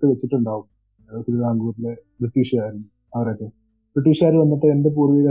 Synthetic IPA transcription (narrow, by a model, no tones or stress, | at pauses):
kːɨʋet͡ɕːiʈːuɳɖaːʋum | tiɾuðaːŋɡuːrile̞briʈːiːʂaːjiɾunːu | ɐʋɐrɐjt̪ːe | b̥riʈːiːʂaːɾuʋɐnːɐʈ̪ːɐendep̬uːrʋiɣɐ